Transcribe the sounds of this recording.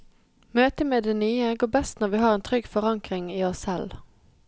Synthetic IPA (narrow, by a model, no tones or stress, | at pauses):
møːt̪əmeːd̪eːnyːəɡoːbɛst̪nɔʁʋiːhɑːʁeːnt̪ʰʁʏɡfɔʁɑŋkʁɪŋiːɔsɛl